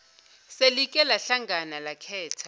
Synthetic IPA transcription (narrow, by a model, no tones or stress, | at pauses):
selikʼɛlaɬaŋɡʱanalakʰɛːtʰḁ